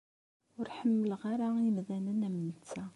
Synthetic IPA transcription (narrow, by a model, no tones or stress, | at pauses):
ʊɾħəmːəlʁaɾaimðænænæmənət͡sːæ